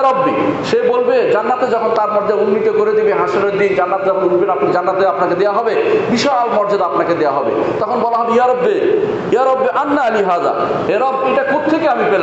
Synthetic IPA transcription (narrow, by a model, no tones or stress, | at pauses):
ɾobːiʃebolbed͡ʑanːat̪ed͡ʑɔkʰont̪aɾmɔɾd͡ʑaɾunːit̪okoɾed̪ebeɦãʃeleɾd̪ind͡ʑanːat̪ed͡ʑɔkʰonunbeʈapnad͡ʑanːat̪eapnaked̪eaɦɔbebiʃaalmɔɾd͡ʑad̪apnaked̪eaɦɔbḛt̪ɔkʰonbɔlaɦɔbeiaɾobːe | iaɾobːeʔanːaaliɦaːza̰ | eɾɔbejʈakʰud̪̚t̪ʰekeamipel